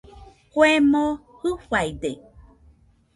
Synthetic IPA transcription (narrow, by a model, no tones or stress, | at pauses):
kwemo | hɯɸajd̪e